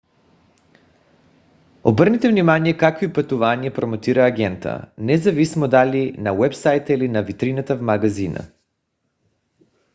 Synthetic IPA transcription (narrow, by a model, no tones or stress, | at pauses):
obɤɾnɛt̪ɛvnimanijɛkakvoipɐt̪uvaniɛpɾomot̪iɾaːɡʲɛnt̪ə̰nɛzɐvismod̪alinawɛpsajt̪əilinavit̪ɾinat̪avmaɡazinə̰